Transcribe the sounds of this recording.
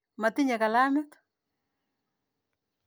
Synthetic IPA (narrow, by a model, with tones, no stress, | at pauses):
ma˨t̪ɪ˦ɲa˨ka˨la˦mɪt̪